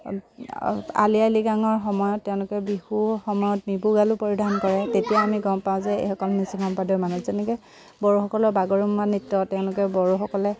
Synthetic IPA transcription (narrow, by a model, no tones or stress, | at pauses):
a̰lialiɡaŋɔɹxɔmɔjɔtːɛʊ̃lʊkɛbixuxɔmɔjɔt̚mibuɡalupoɹidʱankɔɹɛtetijaamiɡɔmpaʊ̃zɛḛxɔkɔlnisikʰɔmpadɔɹmanuzɛnɛkɛ | bɔɹuxɔkɔlɔbaɡɔɹumːanitːɔtɛʊ̃lʊkɛbɔɹuxɔkɔlɛ